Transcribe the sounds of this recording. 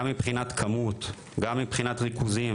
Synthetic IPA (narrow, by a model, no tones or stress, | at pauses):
mːipχinat̪kʰamut̪ | ɡamːipχinat̪ʁikuzim